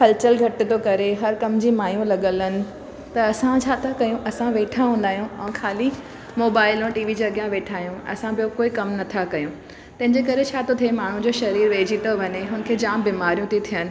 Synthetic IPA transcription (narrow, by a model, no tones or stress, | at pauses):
kɐlt͡ɕəlɡʱɐʈɪ̆t̪okɐɾeɦɐɾkɐmd͡ʑiːmaːjũlɐɠələnɪ̆ | t̪ɐɐsãt͡ɕʰaːt̪ʰakɐjũʔɐsãʋeːʈʰaɦũːnd̪aːɦjũɛ̃ːxʰaːli | moːbaːɪlõʈiːʋid͡ʑɐɠjãʋeːʈʰaːɦijũɐ̰sãbɪjokoːikɐmnɐt̪ʰakɐjũ | t̪ɐ̃ɦɪ̃ɲd͡ʑekɐɾet͡ɕʰaːt̪ʰot̪ʰiemaːɳ̤ũd͡ʑoːʃɐɾiːɾʋeːd͡ʑit̪ʰoʋɐɲeɦʊn̆kʰeːd͡ʑaːmbiːmaːɾijũt̪ʰit̪ʰijənɪ̆